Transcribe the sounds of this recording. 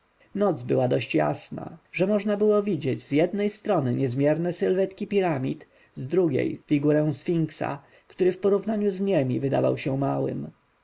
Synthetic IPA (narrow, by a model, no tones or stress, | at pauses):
nɔd̪zbɘwad̪ɔɕt͡ɕja̰sna̰ʐɛmɔʐnabɘwɔvʲid͡ʑed͡ʑzjɛd̪nɛjst̪ɾɔnɘɲɛzmʲjɛɾnɛsɘlvɛt̪kʲipʲiɾamʲḭt̪ | zd̪ɾuɡʲḛjfʲiɡuɾɛ̃w̃sfʲiŋksa̰ | kt̪uɾɘfpɔɾuvnaɲuzɲɛmʲivɘd̪a̰va̰wɕɛmawɘ̰m